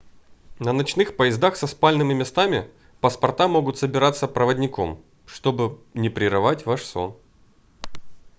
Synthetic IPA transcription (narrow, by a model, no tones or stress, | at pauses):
nənɐt͡ɕn̪ɨxpəjɪzd̪axsɐspalʲnɨmʲɪmʲɪst̪amʲɪ | pəspɐrt̪amoɡʊt̪səbʲɪɾat̪sːəpɾəvədʲnʲɪko̞̰m | ʂt̪o̞bɨnʲɪpɾʲɪɾɨvatʲvaʂso̞̰n